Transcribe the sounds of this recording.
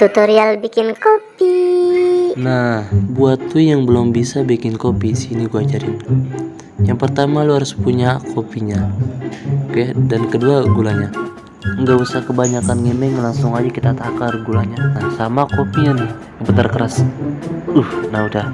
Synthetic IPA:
t̪ut̪oɾialbikɪnkopi | nahbuat̪lujaŋbəlʊmbisabikɪnkopisiniɡuad͡ʒaɾin | jaŋpərt̪amaluhaɾʊspuɲakʰopiɲa | kɛdankəduaɡulaɲa | əŋɡausakəbaɲakanŋimɛŋlaŋsʊŋad͡ʒakit̪at̪akarɡulaɲanahsamakopijan | bət̪ərkəɾas | uhnaudah

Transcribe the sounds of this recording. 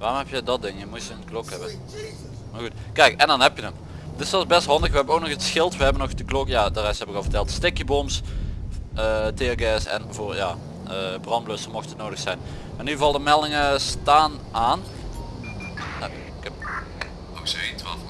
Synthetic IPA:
ʋaːrɔmɦɛpjədɑt̚dɪŋjəmutjəənklɔkɦɛbən | maːrɣutkɛjkɛndɑnɦɛpjənət | tɪsɛlˠzbɛstɦɑndəxʋəɦɛbənowk̚nɔxətsxɪlˠtʋəɦɛbənɔxdəklɔkjaːdərɛstɦɛpɪkɑlˠvərtɛlˠtstɪkjəboms | ʔətɪɡɛsɛ̰nvoːrjaː | əːbrɑnbløsəmɔxtətnowdəxsɛjn | maːnyvɑlˠdəmɛlˠdɪŋəstaːnaːn | kɛ | osetʋɑ̰

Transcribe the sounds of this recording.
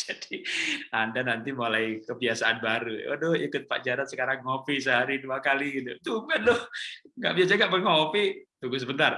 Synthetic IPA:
d͡ʒadiandanant̪imolajkəbiasaʔanbaɾuo̰dohikʊt̪̚pa̰ʔd͡ʒaɾansəkaɾaŋːofis̬əɦaɾiduakaliɡit̪ut̪ubɛndohŋɡa̰ʔbiasaɡaʔpəŋofit̪uɡusəbənt̪ar

